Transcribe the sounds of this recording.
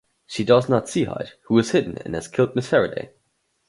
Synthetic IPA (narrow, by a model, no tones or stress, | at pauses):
ʃidʌznətsiha̰ɪt̚huɨz̥hɪdⁿn̩ɨ̰̃nɨz̥kʰɪlˠt̚mɪsfɛɹɨdḛɪ